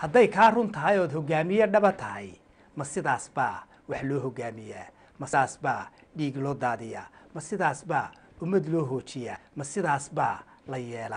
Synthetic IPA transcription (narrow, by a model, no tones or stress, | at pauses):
hɐd̪ɛjkʰaːrʊnt̪ʰɐɦɐjɔːd̪hɔɡaːmɪjɐɖɐβɐt̪ʰɐɦɛj | mɐsɪðaːsbaː | wɑħlɔːɦɔɡaːmɪjaː | mɐːsbaː | ɖiːɡlɔːd̪aːðɪja̰ːmɐsɪðaːsbaː | ʊmɐd̪lɔːɦɔːt͡ʃɪjaːmɐsɪðaːsbaː | lɐjɛːlɐ